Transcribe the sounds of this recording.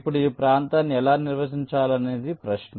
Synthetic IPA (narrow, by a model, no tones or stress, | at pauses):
pːuɽuiːpɾaːnt̪aːnːiɛlaːniɾʋɐsiɲt͡ʃaːlɐne̞ːd̪ipɾɐʃnɐ